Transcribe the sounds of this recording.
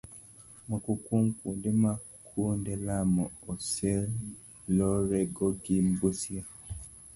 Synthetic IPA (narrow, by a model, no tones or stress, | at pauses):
mukukuŋkuːndema | kʰundelamuosel | loɾeɡoɡimbusja